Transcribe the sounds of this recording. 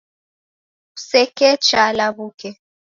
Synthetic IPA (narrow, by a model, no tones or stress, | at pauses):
usɛkɛt͡ʃalaβukɛ